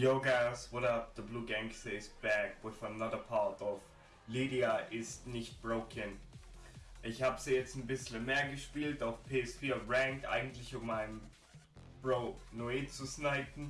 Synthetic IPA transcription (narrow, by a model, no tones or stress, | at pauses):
joɡaswɔɾapðəbluːɡɛ̃ŋkseɪsb̥ɛkwɪθənaðəpʰatʰɔf | liːdiaʔɪstnɪçt̚b̥ʁoʊkʰən | ʔɪçhaːbəzijɛt͡stn̩bɪsl̩meːɐɡəʃpiːltaʊfpʰeːɛsfiːɐʁɛŋtʔa̰ɪɡŋ̩tlɪçʊmmaɪnəm | b̥ʁoʊnoiːt͡susnaɪtn̩